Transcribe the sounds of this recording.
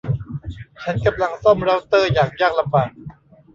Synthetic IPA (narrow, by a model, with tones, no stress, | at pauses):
t͡ɕʰa˦˥nka˧mla˧ŋsɔ˥˩mɾa˦˥wt̪ɤː˥˩jaː˨˩k̚jaː˥˩k̚la˧mbaː˨˩k̚